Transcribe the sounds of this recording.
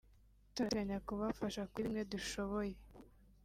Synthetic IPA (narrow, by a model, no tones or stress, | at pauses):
tuɡaɲakuβafaʃakwiɾimɲe̞duʃo̞βoje